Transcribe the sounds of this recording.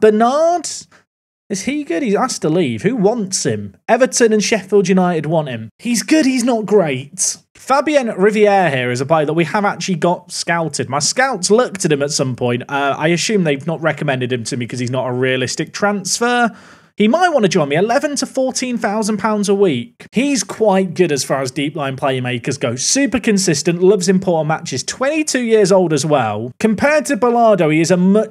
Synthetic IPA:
b̥ənɑːd̥ | ɪz̥iɡʊd̚hizastʰəliːv̥hʉwɒ̃ntshɪ̃mɛvətə̃nə̃nʃɛfɪlˠdjɨnaɪtɪd̚wɒ̃nʔɪ̃mhizɡʊd̚hiznət̚ɡ̥ɹeɪt | fabiə̃nɹɪviɛːɦiəɹɪzəpl̥eɪðəʔ̚wiəvak̚t͡ʃəl̩ˠiɡɒtskaʊtʰɪd̚maɪskaʊtslʊk̚tʰətɨ̃mətsʌ̃mpʰɔ̃ɪ̃ntʌa̰ɪəʃʉ̃ːmðeɪvnəʔ̚ɹɛkəmɛ̃ndɪd̚ɪ̃mtʰəmikʰʌz̥iznətəɹiəlɪstɪk̚tʰɹ̥ãnsfəː | imaɪʔwɑ̃ñəd͡ʒɔ̃ɪ̃miɪlɛvə̃ntʰəfɔˑtʰĩnθaʊzə̃npʰãʊ̃ndzəwiˑkhiz̥kʰw̥aɪt̚ɡ̥ʊɾəz̥fɑːɹəzdiˑplãɪ̃npʰl̥eɪɪ̃meɪkʰʌzɡoʊsʉˑpəkʰə̃nsɪstə̃nʔlʌvzɪ̃mpʰɔˑʔn̩mat͡ʃɪz̥tʰw̥ɛ̃ntitʰʉːjɪəzoʊlˠdəzwɛlˠkʰə̃mpʰɛːd̚tʰəbəlɑːdoʊiɪzəmʌ

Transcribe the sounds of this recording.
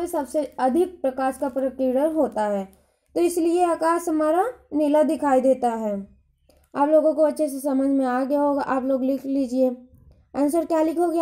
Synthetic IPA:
əsɐbseɐd̪ʱɪk̚pɾɐkaːʃkapɾəkliːɽəɾɦoːt̪aɦɛː | t̪oɪslieakaːsɦɐmaːɾanɪlad̪ɪkʰaːid̪eːt̪aɦɛː | aːploːɡõkoɐtːʃʰes̬esɐməd͡ʒʱmẽaːɡɐjaɦoːɡaʔaːploːɡlɪkʰliːd͡ʒieː | ɐnsəɾkjaːlɪkʰoɡj

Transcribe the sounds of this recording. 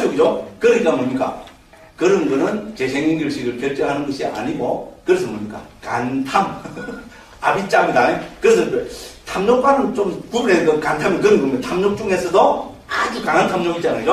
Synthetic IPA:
jʌɡid͡ʑokɯɾikamoɭɲik͈a̰ | kɯɾɯnɡɯnɯnt͡ɕe̞sʰeŋiŋɡɯɭɕʰiɡɯɭkjʌɭt͡ɕ͈ʌɦanɯnɡʌɕʰia̰ɲiɡokɯɾesʰʌmoɲik͈a̰kantʰam | abit͡ɕ͈amidaikɯɾes̬ʰʌtʰamɲok̚p͈anɯnt͡ɕomkubunɦeɡʌkantʰamjʌnkɯɾʌnɡomjʌntʰamɲok̚t͡ɕ͈uŋɦe̞sʰʌdo | ad͡ʑukaŋɦantʰamɲoɡit͡ɕ͈aned͡ʑo

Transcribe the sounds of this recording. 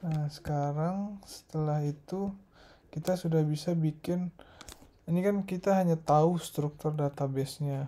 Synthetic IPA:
nasə̥kaɾaŋsə̥t̪əlahit̪u | kit̪asudahbisabikɪn | inikankit̪aɦaɲat̪aust̪ɾuk̚t̪ʊrdat̪abɛsɲa

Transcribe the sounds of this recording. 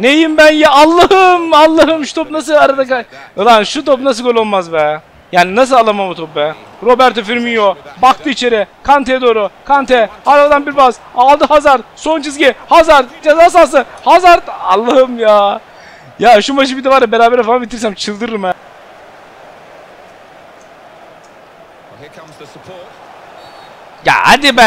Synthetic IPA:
nejimbænjaalˠːahɯmalˠːaɦɯmʃu̥t̪ʰop̚nas̬ɯlˠaɾad̪akaɯlˠaʃut̪ʰop̚nas̬ɯlɡølʲolˠmazbɛn | jaːninas̬ɯlˠalˠːamambut̪ʰop̚bɛ | ɾo̞bæɾt̪ʰofiɾminjobak̚t̪ʰɯit͡ʃʰe̞ɾɛkʰant̪ʰed̪o̞ːɾukʰant̪ʰɛhaɾfad̪anbiɾbazalˠd̪ɯhazaɾt̪sont͡ʃʰizɟihazaɾt̪d͡ʒazasalˠs̬ɯhazaɾt̪alˠːaɦɯmjaː | jaʃumaʃ̬ɯbid̪ɛvaɾabeɾaːbɛɾɛfanabit̪ʰiɾs̬æmt͡ʃʰɯlˠd̪ɯɾɯɾmɛ | ja̰a̰d̪ibæ

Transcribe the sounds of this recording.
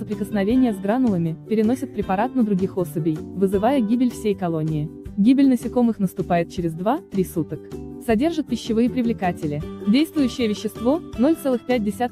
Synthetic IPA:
səpɾʲɪkəsnɐvʲenʲɪjəzɡɾanʊlˠəmʲɪpʲɪɾʲɪnosʲɪt̪̚pɾʲɪpɐɾat̪nəd̪ɾʊɡʲixo̞səbʲɪjvɨzɨvajəɡʲibʲɪlʲfsʲejkɐlˠonʲɪɪɡʲibʲɪlʲnəsʲɪko̞mɨxnəst̪ʊpajɪt̪̚t͡ɕɪɾʲɪzd̪vat̪ɾʲisut̪əksɐdʲe̞rʐɨt̪̚pʲɪɕːɪvɨjəpɾʲɪvlʲɪkatʲɪlʲɪdʲejst̪vʊjʉɕːɪjəvʲɪɕːɪst̪vo̞no̞lʲt̪sɛlˠɨxpʲæt̚ʲdʲɪsʲat̪

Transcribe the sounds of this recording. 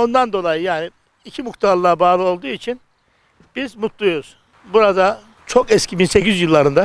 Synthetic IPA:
o̞nd̪and̪o̞lˠajɯjaːni | icʰimukt̪ʰaɾlˠabaːlˠɯo̞lˠd̪uːit͡ʃʰin | b̥izmut̪lˠujoɾuz̥ | buɾad̪a | t͡ʃʰo̞kɛscʰibinse̞cizjɯlˠːaɾɯnd̪a

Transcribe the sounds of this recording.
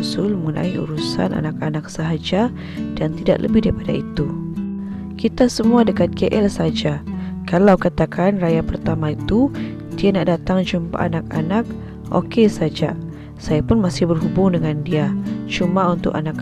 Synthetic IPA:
sʊlməŋəna̰iṵɾusa̰nʔa̰nakanak̚saɦad͡ʒa | dant̪ida̰ʔlə̰bɪdaɾipada̰it̪u | kit̪asəmuadəkat̪̚keʔɛlsad͡ʒakalawkat̪akʰanrajapərt̪amait̪u | dianaʔdat̪aŋd͡ʒumpa̰ʔanak̚a̰nak̚ | ʔo̰kesad͡ʒa̰ | sajapʊnmasɪhbərɦubʊŋdəŋandiat͡ʃumaunt̪ʊ̰kanak

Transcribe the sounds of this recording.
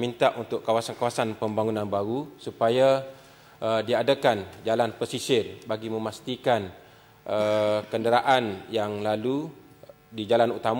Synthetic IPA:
mint̪aʔunt̪ʊʔkawasankawasanpəmbaŋunãnbaɾusupaja | ədiadakand͡ʒalanpəsisɪrbaɡimə̃mast̪ikan | əkəndəɾaʔanjaŋlalu | did͡ʒalanut̪am

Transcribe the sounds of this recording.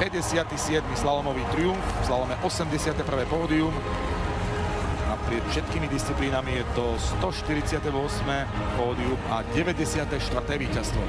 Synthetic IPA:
pɛɟɛsɪat̪isɪɛd̪mislalɔmɔʋiːt̪ɾiuɱfzlalɔmɛʔɔsɛmɟɛsɪat̪ɛpr̩ʋɛːpɔːd̪ium | apɾɪɛt̪fʃɛt̪kiːmid̪ist͡sipliːnamijɛt̪ɔst̪ɔʃt̪iɾit͡sɪat̪ɛʋʊɔsmɛ | pɔːd̪iumaɟɛʋɛɟɛsɪat̪ɛʃt̪ʋr̩t̪ɛːʋiːcast̪ʋɔ

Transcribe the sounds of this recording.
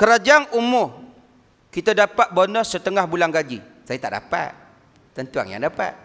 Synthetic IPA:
kəɾad͡ʒaŋumʊh | kit̪adapat̪̚bonɔsət̪əŋahbulaŋɡad͡ʒi | sajat̪aʔda̰pa̰t̪̚ | t̪ənt̪ua̰ŋja̰ŋdapa̰t̪̚

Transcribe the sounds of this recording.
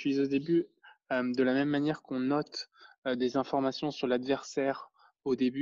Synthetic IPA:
ʃɥizod̪ebyømd̪əlamɛmːanjɛʁkɔ̃nɔt̪d̪ezɛ̃fɔʁmasjɔ̃syʁlad̪vɛʁsɛːʁ | od̪eby

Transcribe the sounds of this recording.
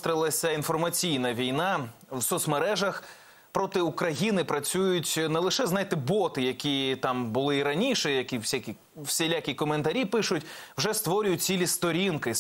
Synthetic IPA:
t̪ɾʲɪlˠɐsʲɐinfɔrmɐt͡sʲijnɐʋʲijnɑ | wsɔt̪smeɾɛʒɐx | pɾɔt̪ɪukɾɐjinɪpɾɐt͡sʲujʊtʲnɛlˠɪʃɛznɑjt̪ɪbɔt̪ɪjɐkʲit̪ɑmbʊlˠɪiɾɐnʲiʃɛjɐkʲiwsʲakʲi | wsʲelʲakʲikɔment̪ɐɾʲipɪʃʊtʲwʒɛst̪ʋɔɾʲʊjʊt̚ʲt͡sʲilʲist̪ɔɾʲinkɪ

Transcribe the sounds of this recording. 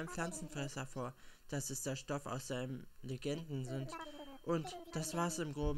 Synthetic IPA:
nəmpflant͡sn̩fʁɛsɐfoːɐd̥asɛsd̥eːɐʃtɔfa̰ʊsz̥aɪnəmleɡɛndn̩zɪntʔʊntd̥asv̥aːsɪmɡʁoːb

